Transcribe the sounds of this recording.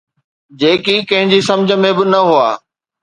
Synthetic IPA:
d͡ʑeːkikɐ̃ɦɪ̃ɲd͡ʑisɐ̃md͡ʑʱə̆mẽbɪnɐɦuaː

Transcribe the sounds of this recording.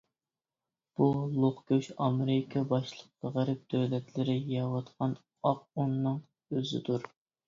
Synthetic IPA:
b̥ulˠoχkʲøʃɑmɪɾɪkʰɑbɑʃlˠəq̚ːɑʁæɾɨp̚d̪̥øwlɛt̪lɪɾɪjɑwɑt̪qʰɑn | ɑq̚unːɨŋ | øzɪ̰d̪uɾ

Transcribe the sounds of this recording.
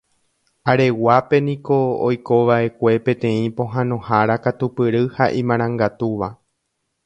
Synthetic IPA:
aɾe̞wape̞nĩkoojko̞ʋaʔe̞kʷe̞pẽ̞t̪ẽ̞ĩpõ̞ɦãnõ̞haɾakat̪upɨɾɨhaʔĩmãɾ̃ãŋɡat̪uʋa

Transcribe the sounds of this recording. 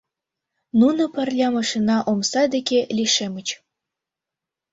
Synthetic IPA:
nunopə̆rlʲɑmɑʃinɑʔomsɑd̪ekelʲiʃemə̆t͡ɕ

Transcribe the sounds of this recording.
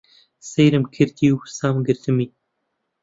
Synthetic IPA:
sejɾɨmkʰɨɾt̪iwsaːmɡɨɾt̪ʰɨmi

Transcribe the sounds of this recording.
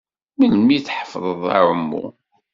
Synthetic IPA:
məlmiθħəfðˤəðˤa̰ɾəmːṵ

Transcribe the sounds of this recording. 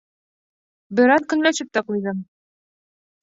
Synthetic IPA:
bɘ̆ɾɑðkɵ̆ŋlæʃɘp̚t̪æqujðɤm

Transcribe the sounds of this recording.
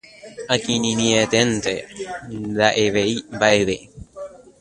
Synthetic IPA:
akininiet̪ent̪e | ðaʔeβeibaeβei

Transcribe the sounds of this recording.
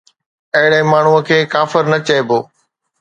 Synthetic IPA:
ɐɦɪɽeɪ̃maːɳ̤uəkʰeːkaːfɪɾnɐt͡ɕɐeboː

